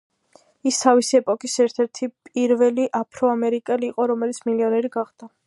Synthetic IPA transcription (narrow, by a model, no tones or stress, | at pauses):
ist̪ʰavisiɛpʼɔkʼisɛɾt̪ʰɛɾt̪ʰipʼiɾvɛliʔapʰɾɔamɛɾikʼɛliːqʼɔɾɔmɛlit̪sʰmiliɔnɛɾiɡaχd̪̥a